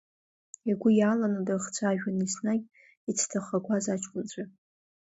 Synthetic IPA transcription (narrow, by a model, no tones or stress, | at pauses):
aɡʷʊjaːlanadarχt͡sʷʰaːʒᶣanisnaɡʲ | it͡sʰtʰaχʷakʷazat͡ʃʰʼkʷʼʊnt͡ɕʷʰʼa